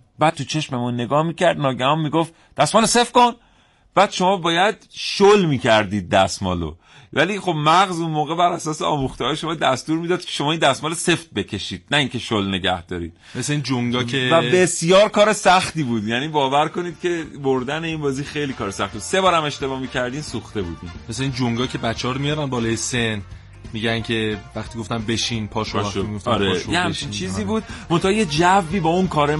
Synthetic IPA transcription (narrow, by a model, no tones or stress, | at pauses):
bæːd̪̚t̪ʰut͡ʃʰe̞ʃme̞munːe̞ɡɒːhmiːcæɾd̪nɒːɟæhɒnmiːɡoft̪ | d̪̥æsmɒːlose̞fko̞n | b̥æːd̪̥ʃo̞mɒːbɒːjæd̪̚ʃolmiːcʰæɾd̪iːd̪̚ːæsmɒ̰ːlo̰ | væliːχo̞bmæɣzunmoːɣe̞bæɾæsɒːseɒ̰ːmuxt̪eɒːjeʃo̞mɒːd̪æst̪uːɾmiːd̪ɒːd̪̚kʰe̥ʃo̞mɒːiːnd̪æsmɒːlese̞ft̪̚be̞kʰe̞ʃiːd̪̥̚næiːŋce̞ʃolne̞ɟæ̰hd̪̥ɒ̰ːɾḭːd̪̥̚meseind͡ʒoŋd̪ɒːkʰevæbe̞sjɒːɾkɒːɾe̞sæxt̪iːbuːd̪jæniːbɒːvæɾko̞niːd̪̥̚cʰʲe̞boɾd̪æne̞inbɒːziːxe̞jliːkʰɒːɾesæxt̪ibud̪se̞bɒːɾæme̞ʃt̪e̞bɒːmiːcʰæɾd̪iːmsuxt̪e̞bṵːd̪inmesleiːnd͡ʒoŋɡɒːcʰe̞bæt͡ʃʰːeɒɾomijɒːɾænbɒːlɒːjesen | miɟæncʰe̞væχt̪iɡoft̪æmbeʃinpʰɒːʃoʃoɡoft̪ɒɾejehæmt͡ʃʰint͡ʃʰiːziːbuːd̪̚mo̞nt̪ʰɒhɑjed͡ʒævːiːbɒːunkʰɒːɾe